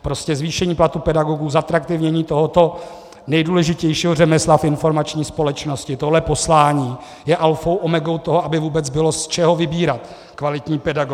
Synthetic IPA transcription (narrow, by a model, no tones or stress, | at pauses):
pɾo̞scɛzviːʃɛɲiːplat̪upɛdaɡo̞ɡuːzat̪ɾak̚t̪ɪvɲɛɲiːt̪o̞ɦo̞t̪o̞ | nɛjduːlɛʒɪcɛjʃiːɦorɛmɛslafɪnfo̞ɾmat͡ʃɲiːspo̞lɛt͡ʃno̞scɪt̪oɦlɛpo̞slaːɲiː | jɛʔalfo̞wʔomɛɡo̞wt̪oɦoʔabɪvuːbɛt͡sbɪlo̞st͡ʃɛɦo̞vɪbiːɾat̪ | kvalɪt̪ɲiːpɛdaɡo